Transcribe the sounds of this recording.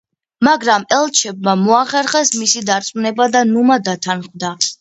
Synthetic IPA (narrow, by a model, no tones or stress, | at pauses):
maɡɾamɛlˠt͡ʃʰɛb̚mamɔaχɛɾχɛsmisid̪aɾt̪sʼmunɛbad̪anumad̪at̪ʰanχd̪a